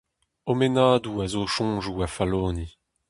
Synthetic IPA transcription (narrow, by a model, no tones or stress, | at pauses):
omenaːd̪uazoːʃɔ̃ːʒuafaloːni